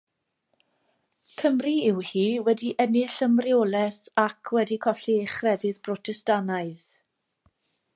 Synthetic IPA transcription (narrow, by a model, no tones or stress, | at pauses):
kʰəmriɪwhiːwɛdiʔɛnɪɬəmrioːlˠɛθakʰwɛdikʰɔɬɪχrɛðɨðpʰrɔtʰɛstanaɨð̥